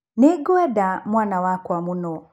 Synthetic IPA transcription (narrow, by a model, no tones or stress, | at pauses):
niɡɔadamwanawakwamunɔ